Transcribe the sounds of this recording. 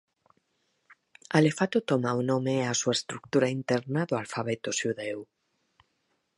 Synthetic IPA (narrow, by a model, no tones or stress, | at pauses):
alefat̪ot̪omaunõmeasuaest̪ɾuk̚t̪uɾaint̪ɛɾnaðoalfaβet̪oʃuðew